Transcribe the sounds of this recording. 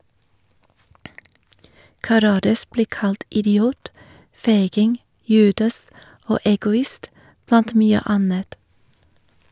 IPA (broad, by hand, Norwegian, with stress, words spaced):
kɑˈɾɑːdɑs ˈbliː ˈkɑlt ɪdɪˈuːt ˈfeɪɡɪŋ ˈjʉːdɑs ˈoː ɛɡʊˈɪst ˈblɑnt ˈmyːə ˈɑnət